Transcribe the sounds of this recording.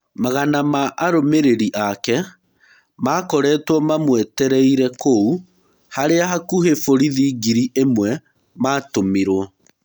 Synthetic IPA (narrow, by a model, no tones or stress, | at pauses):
maɣanamaʔaɾomeɾeɾiʔakɛ | makɔɾɛːtwɔmamwɛtɛɾɛiɾɛkou | haɾeaɦakuhefoɾiðiːɡiɾiʔemwɛ | maːtomiɾwɔ